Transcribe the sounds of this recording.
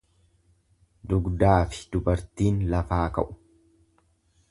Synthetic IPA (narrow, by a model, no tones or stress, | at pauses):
d̪ʊɡd̪aːfɪ̥d̪̥ʊbɐɾt̪iːnlɐfaːkɐ̰ʔʊ̥